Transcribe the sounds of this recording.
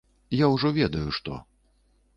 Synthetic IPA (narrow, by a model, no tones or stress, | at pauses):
jawʐɔvʲɛd̪ɐjuʂt̪ɔ̰